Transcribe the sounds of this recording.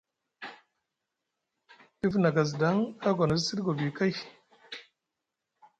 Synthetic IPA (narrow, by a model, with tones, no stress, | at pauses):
ti˦fna˨ɡa˨z̬da˨˦ŋa˦ɡʷa˨na˨zsi˦ɾɡo˨bi˨ka˦j